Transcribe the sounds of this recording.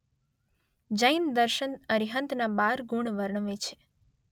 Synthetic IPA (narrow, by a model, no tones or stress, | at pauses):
d͡ʒəjnd̪əɾʃənəɾiɦənt̪nabaɾɡuɳʋəɾɳəʋet͡ʃʰe̥